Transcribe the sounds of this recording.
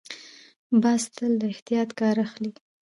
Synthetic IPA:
bɑst̪əld̪əɪht̪ijɑt̪kɑɾaxli

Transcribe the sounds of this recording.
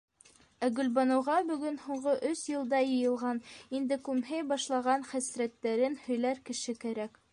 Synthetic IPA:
æɡɵ̆lbɑnɤ̆wʁɑbɵ̆ɡɵnhuɴɢɤʔɵsjɤ̆lˠd̪ɑjɤ̆jɤ̆lˠʁɑnind̪ɘkʉmɦɘjbɑʃlˠɑʁɑnχæsɾæt̪ːæɾɘnhɵ̆jlæɾkɘ̆ʃɘkæɾæk

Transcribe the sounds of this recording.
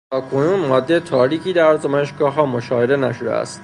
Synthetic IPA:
t̪ʰɒːkʰo̞nuːnmɒːd̪ːet̪ʰɒːɾiːcʰiːd̪æɾzæmɒneʃɡɒːɦɒːmoʃɒːve̞d̪e̞næʃod̪ḛæ̰st̪

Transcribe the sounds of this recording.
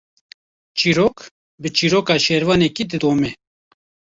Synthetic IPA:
t͡ʃiɾok | bət͡ʃiɾokɑʃɛɾvɑːnɛkid̪ɨd̪omɛ

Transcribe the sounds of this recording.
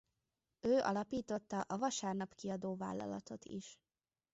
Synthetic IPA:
øːʔɒ̰lɒpiːt̪o̞t̪ːɒʔɒvɒʃaːrnɒpkiɒd̪oːva̰ːlːɒ̰lɒ̰t̪o̞t̪ḭʃ

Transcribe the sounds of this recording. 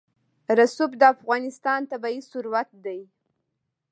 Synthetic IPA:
ɾasubd̪əafɣɑnɪst̪ɑnt̪abaisʊɾwat̪̚d̪aj

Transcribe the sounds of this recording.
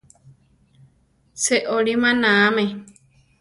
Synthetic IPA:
seʔoɾimãnãamẽ

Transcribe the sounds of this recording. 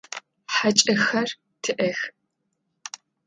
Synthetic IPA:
ħat͡ʃʼɐxɐr | tʰɨʔɐx

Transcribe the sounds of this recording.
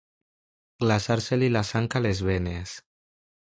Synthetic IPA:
ɡ̥lasaɾselilasaŋkalezβenes

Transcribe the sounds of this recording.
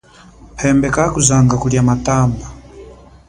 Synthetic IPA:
pʰɛmbɛkakuzaŋɡakuliamataːmba

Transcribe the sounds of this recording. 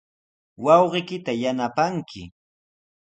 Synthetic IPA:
wɑwɢɪkɪt̪ajanapaŋkʰɪ̰

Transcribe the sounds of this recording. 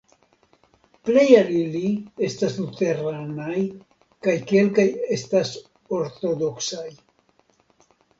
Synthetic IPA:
ple̞jalilie̞staslut̪eɾanaj | kajke̞lkaje̞stas | o̞ɾt̪o̞d̪oksaj

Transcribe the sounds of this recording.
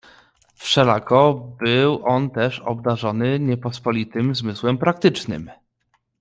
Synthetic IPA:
fʂɛlakɔbɘwʔɔnt̪ɛʂɔ̰b̚d̪aʐɔnɘɲɛpɔspɔlʲit̪ɘmzmɘswɛmpɾak̚t̪ɘt͡ʂnɘ̰m

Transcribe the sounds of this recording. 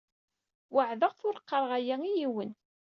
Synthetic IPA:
wəʕðəʁθʊɾqːəɾˤʁæjæijiwən

